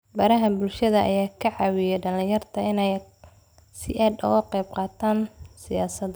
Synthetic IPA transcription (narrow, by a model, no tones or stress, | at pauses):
bɐɾɐɦɐbʊlʃɐðɐʔɐ̰jaːkʰɐʕɑːwɪjɛɖɐlɪ̃jɐrt̪ʰɐɪnɛj | sɪʔaːd̪ɔ̰ɣɐqɛjbqɑːt̪ʰaːnsɪjaːsɐd̪